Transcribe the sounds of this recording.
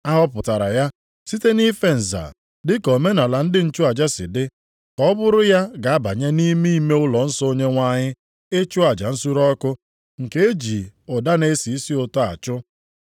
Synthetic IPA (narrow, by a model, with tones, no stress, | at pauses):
a˦ɦɔ˦pʊ˨ta˨ɾa̰˨ja˦ | si˦te˦ni˦fe˦n̩˨za̰˨ | dɪ˦ko˨me˦na˨la˨n̩˦dɪ˦n̩˦t͡ʃu˦a˨d͡ʒa˦sɪ̰˨dɪ˦ | kɔ˦bʊ˦ɾʊ˦ja˦ɡa˨a˦ba˨ɲe˦ni˦mi˦me˦ʊ˦lɔ˨n̩˦sɔ˦o˦ɲe˦ŋʷa˦ɲɪ˦ | e˦t͡ʃʊ˦a˨d͡ʒa˨n̩˦su˦ɾɔ˦kʊ˦ | ŋ̩˨ke˦e˦d͡ʒi˨ʊ˨da˦ne˦si˨i˦si˦o˨to˦a̰˨t͡ʃʊ˦